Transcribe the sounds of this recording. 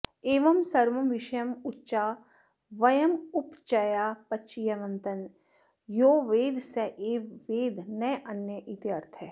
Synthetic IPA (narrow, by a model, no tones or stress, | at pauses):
eːʋɐmsɐɾʋɐmʋɪʃɐjɐmʊtːʃaː | ʋɐjɐmʊpt͡ʃɐjaːpɐt͡ʃijɐʋɐ̃nt̪ɐn | joːʋeːd̪ʱsɐʔeːʋeːd̪ʱnɐjʔɐnjəʔit̪jɐɾt̪ʰe